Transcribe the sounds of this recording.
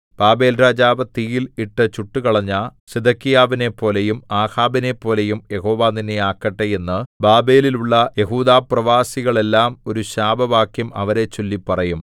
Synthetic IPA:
b̥aːbe̞ːlɾaːd͡ʑaːʋɐt̪ijiliʈːɨt͡ɕuʈːukɐɭɐɲːaɕed̪ɐkːijaːʋine̞pːo̞ːle̞jumaːhaːbine̞pːo̞ːle̞jumje̞ho̞ːʋaːninːeaːkːɐʈːeje̞nːɨbaːbe̞ːliluɭːɐje̞ɦuːd̪aːprɐʋaːsiɣɐɭe̞lːaːmo̞ɾuɕaːbɐʋaːkjɐmɐ̰ʋɐɾe̞t͡ɕːolːipːɐrɐjum

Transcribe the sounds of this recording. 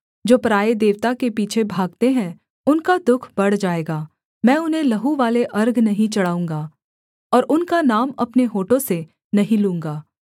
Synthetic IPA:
d͡ʒoːpɾaːed̪eːʋt̪akepiːt͡ʃʰebʱaːɡ̚t̪eɦɛ̃ | ʊnkad̪ʊkʰbɐɽ̤d͡ʒaːeːɡaː | mɛ̃ːʊnɦẽlɐɦuʋaːleʔɐɾɡnɐɦĩt͡ʃɐɽaːũːŋɡaː | ɔːɾʔʊnkanaːmɐpneɦoːʈõse | nɐɦĩlũːŋ̆ɡaː

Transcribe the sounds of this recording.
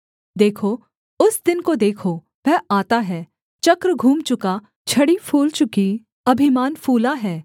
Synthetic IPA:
d̪eːkʰo | ʊsd̪ɪnkod̪eːkʰo | ʋɛɦaːt̪aɦɛː | t͡ʃɐkɾɡʱũːmt͡ʃʊka | t͡ʃʰɐɽipʰuːlt͡ʃʊki | ɐbʱɪmaːnfʰuːlaɦɛː

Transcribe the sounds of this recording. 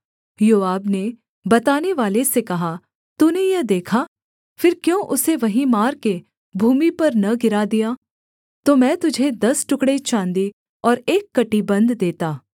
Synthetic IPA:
joːaːbne | bɐt̪aːneʋaːlesekɐɦa | t̪uːnejɐd̪eːkʰaː | fɪɾkjõːʔʊseʋɐɦĩmaːɾke | bʱuːmipɐɾnɐɡɪɾad̪ijaː | t̪omɛ̃ːt̪ʊd͡ʒʱed̪ɐsʈʊkɽet͡ʃãːnd̪i | ɔːɾeːkːɐʈibɐ̃nd̪ːeːt̪aː

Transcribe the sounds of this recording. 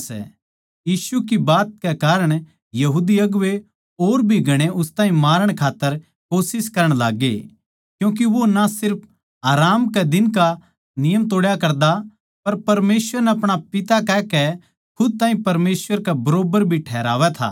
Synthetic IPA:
sɛ̰ | jiːsukibaːt̪̚kɛkaːɾəɽ̃ | jɐɦuːd̪iɐɡʊʋe | oːɾbʱiɡʱɐɽ̃eʔʊst̪aːɦĩmaːɾəɽ̃kʰaːt̪ːəɾ | koːsɪskɐɾəɽ̃la̰ːɡḛ | kjũːk̬iʋonasɪɾp̚ʰ | ɦaːɾaːmkɛd̪ɪnk̬a | nɪjəmt̪oːɽjakɐɾd̪a | pɐɾpɐɾmeːsʋəɾnɛɐpɽ̃apɪt̪akɛkɛ | kʰʊd̪̚t̪ãːĩpɐɾmeːsʋəɾkɛbɐɾoːbəɾbʱiʈʰɛːɾa̰ːʋɛt̪ʰa̰ː

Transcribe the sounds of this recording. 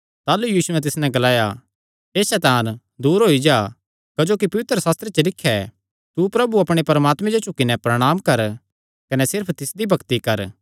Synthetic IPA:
t̪aːlujiːsʊɛ̃t̪ɪsnɛ̃ɡɐlaːja | eːsɛt̪ãːn | d̪uːɾɦoːid͡ʒaː | kɐd͡ʒoːkipɐʋɪt̪ɾəsaːst̪ɾet͡ʃɐlɪkʰːjɛ | t̪upɾɐbuɐpɽ̃epɐɾɐmaːt̪mɛ̃d͡ʒot͡ʃʊkːinɛpɾɐɽ̃aːmkɐɾ | kɐnɛsɪɾpʰt̪ɪsd̪ibʱɐkt̪ikɐɾ

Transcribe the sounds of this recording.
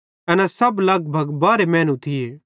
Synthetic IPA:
ɐnɛsɐblɐɡ̚bʱɐɡbaːɾemɛ̃ːnũt̪ʰɪje

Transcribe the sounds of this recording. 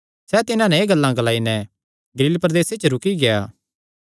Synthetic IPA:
sɛt̪ɪnãnɛeːɡɐlːãɡɐlaːinɛ | ɡɐɾiːlpɾɐd̪eːset͡ʃəɾʊkiɡejaː

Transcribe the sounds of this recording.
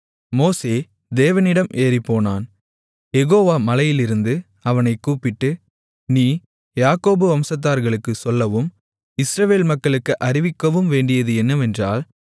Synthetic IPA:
moːseː | d̪eːʋɐnɪɽɐmʔeːripːoːnaːn | jɛɣoːʋaːmɐlɐjɪlɪɾɯnd̪ɯ | ɐʋɐnɐɪkːuːpɪʈːɯ | niː | jaːkoːbɯʋɐmsɐt̪̬ːaːɾɣɐɭɯkːɯsɔlːɐʋɯm | ɪsɾɐʋeːlmɐkːɐɭɯkːɯʔɐɾɪʋɪkːɐʋɯmʋeːɳɖɪjɐðɯɛnːɐʋɛndra̰ːl

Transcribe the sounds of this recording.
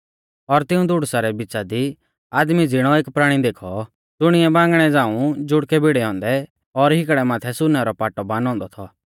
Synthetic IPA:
ɔɾt̪ɪũd̪ʱʊɽsaɾɛbɪt͡ʃad̪i | aːd̪mid͡zɪɽ̃ɔeːkpɾaːɽ̃id̪eːkʰɔ | d̪ʊɽ̃ɪjɛbãːŋɡɽ̃ɛd͡zãːũd͡ʒʊɽkɛbiɽɛɔ̃ːnd̪ɛ | ɔɾɦɪkɽɛmaːt̪ʰɛsʊnɛɾɔpaːʈɔbãːnɔ̃ːnd̪ɔt̪ʰɔ

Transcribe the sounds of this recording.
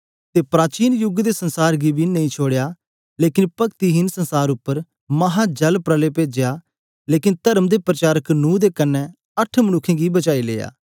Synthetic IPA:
t̪eːpɾaːt͡ʃiːnjʊɡd̪esənsaːɾɡibʱinɐĩːt͡ʃʰoːɽejaː | leːkɪnpɐkt̪iɦɪnsənsaːɾʊpːəɾ | mɐɦaːd͡ʒɐlpɾəleːpeːd͡ʒejaː | leːkɪnt̪əɾəmd̪eːpɾət͡ʃaːɾəknũːd̪eːkənːɛ̃ | əʈʰmənʊkʰːẽːɡibət͡ʃaːilḛːja̰ː

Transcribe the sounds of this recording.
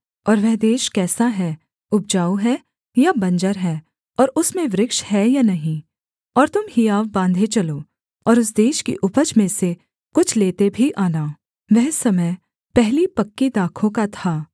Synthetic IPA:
ɔːɾʋɛɦd̪eːʃkɛːsaɦɛː | ʊp̚d͡ʒaːoɦɛ | jabɐ̃nd͡ʒəɾɦɛː | ɔːɾʊsmẽʋɾɪkʃhɛjanɐɦĩː | ɔːɾt̪ʊmhiaːʋbãːnd̪ʱet͡ʃɐloː | ɔːɾʊs̬d̪eːʃkḭʔʊpəd͡ʒmẽse | kʊt͡ʃʰleːt̪ebʱiʔaːnaː | ʋɛɦsɐməj | pɛɦlipɐkːid̪aːkʰõkat̪ʰaː

